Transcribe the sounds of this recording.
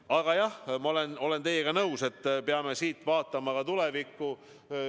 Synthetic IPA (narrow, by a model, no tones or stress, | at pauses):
ɑɡ̥ɑjɑhmɑole̞no̞le̞nt̪e̞jeɡɑnɤwse̞t̪ːpeɑme̞siːt̪ːˑvɑːt̪ːˑɑmɑkɑt̪ule̞vikːu